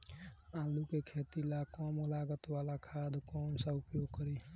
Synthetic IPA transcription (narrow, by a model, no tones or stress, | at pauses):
ãːlukekʰeːt̪ilakɔmolaːɡət̪waːlakʰaːd̪ʱkɔːnsaʊpjoːɡ̚kəɾiɦ